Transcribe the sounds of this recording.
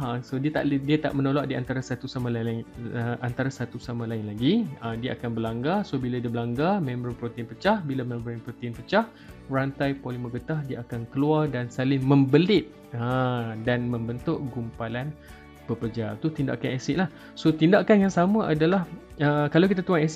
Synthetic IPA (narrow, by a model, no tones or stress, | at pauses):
əsodiət̪a̰ʔdiat̪a̰ʔmənolaʔdiant̪aɾasat̪usamãləʔant̪aɾasat̪usamãlaɪnlaɡiədiaʔakanbəlaŋɡasobiladibəlaŋɡamɛ̃mbɾanpɾot̪iɪnpət͡ʃahbilamɛ̃mbəɾanpɾot̪inpət͡ʃah | rant̪ajpoliməɡət̪ahdiaakankəluardansalɪŋmə̃mbəlɪʔ̚ | ədanmə̃mbənt̪ʊʔɡumpalan | pəkərd͡ʒat̪ut̪inda̰ʔkanɛsɪʔ̚lah | sot̪indaʔkanjaŋsamãʔadalahəkalawk̬it̪at̪uaŋɛs